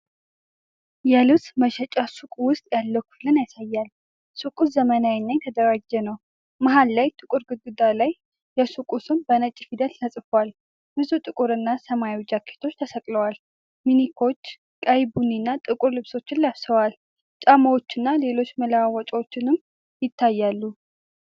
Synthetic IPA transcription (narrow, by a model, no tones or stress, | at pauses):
jɛlɨβsməʃɛt͡ʃʼasukʼwʊst̪ʼjalːəwkʰu̥flɨnjasajːal | sukʼuszəmənawinːajt̪ʰəd̪əɾad͡ʒːɛnəw | maɦalːajt̪ʼɨkʼuɾɡɨd̪ud̪alajː | ɛsukʼusɨmbənət͡ʃʼːifid̪ət̪t̪ʰəsʼfowal | b̥ɨzut̪ʼɨkʼuɾɨnːasəmajd͡ʒakʰːe̥t̪ʰo̞t͡ʃːt̪ʰəsəkʼləwal | minikʰo̞t͡ʃː | kʼajbuninːat̪ʼɨkʼuɾlɨβso̞t͡ʃːɪnlaβsəwal | t͡ʃʼaməwot͡ʃːɨnːale̞lo̞t͡ʃːməlawawɔt͡ʃʼwot͡ʃːɪnɨm | jɪt̪ʰːajːalːu